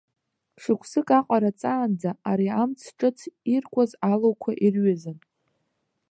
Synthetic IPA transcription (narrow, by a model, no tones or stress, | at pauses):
ʂɨkʷʰsɨkʼaqʷʼaɾat͡sʼaːnd͡zaaɾiamt͡sʰʈ͡ʂʼɨt͡sʰirkʷʼazalowkʷʰaʔirɥazan